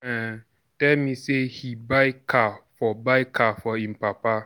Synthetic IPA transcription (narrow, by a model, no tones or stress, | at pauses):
ɛ | tɛlmĩsehibaɪkʰafɔbaɪkʰafɔĩm̩papa